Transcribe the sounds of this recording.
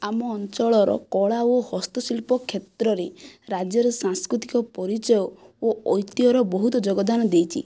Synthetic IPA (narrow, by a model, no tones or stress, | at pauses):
amɔːnt͡ʃɔɭɔɾɔ̰kɔɭaohɔst̪ɔsilpɔkʰːet̪ɾɔɾeɾad͡ʒjɔɾɔsaŋskɾut̪ikɔpɔɾit͡ʃɔjɔoɔjt̪iɔɾɔbɔɦut̪ɔd͡ʒoɡɔd̪anɔd̪ejt͡ʃʰḭ